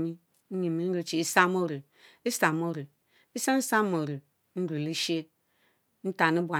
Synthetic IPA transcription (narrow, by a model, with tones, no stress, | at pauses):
mi˦ | ɲi˨mi˨˦n̩˦ɾu˨˦t͡ʃi˨i˦sa˦mo˦ɾu˨ | i˦sa˨mo˦ɾu˨ | i˦sa˦n̩˦sa˦m˨o˨ɾu˨ | n̩˦ɾu˨li˦ʃe˦ | n̩˦ta˨ni˦bʷa˨